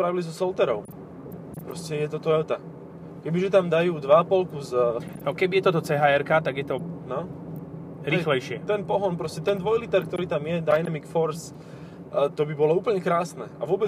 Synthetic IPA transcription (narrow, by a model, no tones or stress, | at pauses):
pɾaʋilizɔsɔlt̪ɛɾɔʊ | pɾɔscɛjɛt̪ɔt̪ɔɛlt̪a | kɛbiʒɛt̪amd̪ajuːd̪ʋapɔlkuznɔkɛbijɛt̪ɔt̪ɔt͡sɛɦaːɛɾkat̪aɡjɛt̪ɔnɔ | ɾixlɛjʃɪɛt̪ɛnpɔɦɔnpɾɔscɛt̪ɛnd̪ʋɔjlit̪ɛɾkt̪ɔɾiːt̪amjɛd̪ajnamikfɔɾs | t̪ɔbibɔlɔuːpl̩ɲɛkɾaːsnɛ̰a̰ʋʊɔbɛ